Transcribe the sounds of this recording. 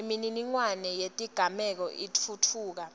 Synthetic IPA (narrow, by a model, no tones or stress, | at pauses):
emininiŋwanɛjetʼiɡ̥ʱamɛk̬ɔʔitʰutʰuːk̬a